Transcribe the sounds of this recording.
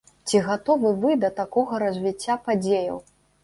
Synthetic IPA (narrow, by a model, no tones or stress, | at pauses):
t͡sʲiɣat̪ɔvɨvɨd̪ɐt̪akɔɣɐɾɐzʲvʲit͡sʲːapad͡zʲejɐ̰w